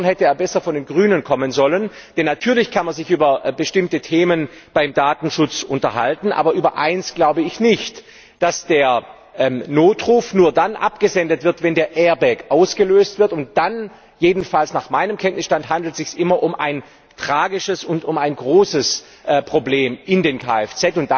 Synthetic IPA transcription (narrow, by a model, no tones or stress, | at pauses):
nhɛtəeːɐbɛsɐfɔndeːnɡʁyːnənkʰɔmənzɔlən | d̥ɛnːatʰyːɐlɪçkʰanmanzɪçʔyːbɐbəʃtɪmtətʰeːmənb̥aɪmdaːtn̩ʃʊt͡sʔʊntɐɦa̰ltn̩ʔa̰ːbɐʔyːbɐʔa̰ɪnsɡ̥laʊbəɪçnɪçt | d̥asd̥eːɐ | ʔɛnoːtʁ̥uːfnuːɐdanʔa̰pɡ̥əzɛndətv̥ɪɐtvɛndeːɐʔɛːɐbɛkʔaʊsɡ̥əløːstv̥ɪɐtʊnt̚d̥an | jeːdn̩falsnaːχmaɪnəmkʰɛntnɪsʃtanthɦandl̩tz̥ɪçsʔɪmɐʔʊmʔa̰ɪn | tʁ̥aːɡɪʃəsʊntʊmaɪnɡʁoːsəs | ʔɛpʁ̥obleːmʔɪndeːnkʰa̰ːɛft͡sɛtʊnt̚d̥a